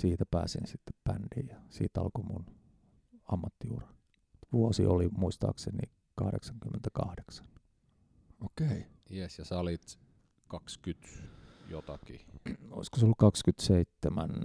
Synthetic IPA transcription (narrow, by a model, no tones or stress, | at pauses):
siːt̪æpæːsḭnsit̪ːe̥ppænd̥ijjɑsḭːt̪ɑ̰lkomun | ɑmːɑt̪ːijuːren | t̪ʋuosiolimuist̪ɑ̰ːksenḭ | kɑhɾḛksɑŋkymːent̪ækɑhde̥ksɑ̥n | okei | jesjɑsɑlit̪ | kɑkskyt̪jot̪ɑkio̰iskoseolːukɑkskyt̪seit̪ːemæn